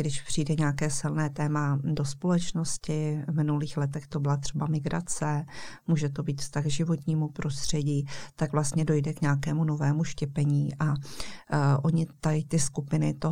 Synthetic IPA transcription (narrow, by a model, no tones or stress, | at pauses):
ɡdɪʃpr̥ijdɛɲaːkɛːsɪlnɛːt̪ɛːmado̞spolɛt͡ʃno̞scɪvmɪnuliːxlɛt̪̬ɛxt̪obɪlat̪r̥ɛbamɪɡɾat͡sɛmuːʒɛt̪o̞biːt̪fst̪aɣʒɪvo̞t̪ɲiːmupɾʔo̞st̪r̝̥ɛɟiːt̪aɡvlast̪ɲɛdo̞jdɛkɲaːkɛːmuno̞vɛːmuʃcɛpɛɲiːʔa | ʔo̞ɲɪt̪aɪt̪ɪskupɪnɪt̪o